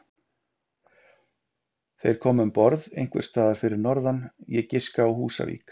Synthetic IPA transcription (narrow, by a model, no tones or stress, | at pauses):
θejɾ̥kʰɔːmʏmpɔɾðejŋkvɛ̰̥st̪aːðaɾ̥fɪɾɪɾnɔɾðanjɛcɪskaawhuːsa̰vḭːk